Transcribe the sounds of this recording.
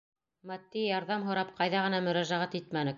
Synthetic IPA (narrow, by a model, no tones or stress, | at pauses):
mæt̪ːijɑɾðɑmɦŏɾɑp̚qʰɑjðɑʁɤ̆nɑmɵ̆ɾæʒæʁæt̪it̪mænɘk̚